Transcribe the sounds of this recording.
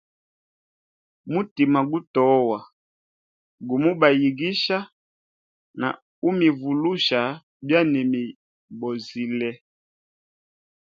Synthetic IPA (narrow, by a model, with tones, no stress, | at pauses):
mu˦ti˨ma˨ɡu˦tɔ˨˦wa˨ | ɡu˨mu˦ba˨ji˨ɡi˦ʃa˦ | na̰˨ | u˦mi˨vu˨lu˦ʃa˨ | bja˦nɛ˨mi˨ | bɔ˨zi˨lɛ˦